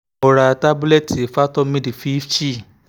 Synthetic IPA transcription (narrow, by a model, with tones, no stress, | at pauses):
ɔ˧ɾa˧ta˦bu˦lɛ˦te˨fa˦tɔ˦mĩ˦di˨fi˦ft͡ʃi˦˨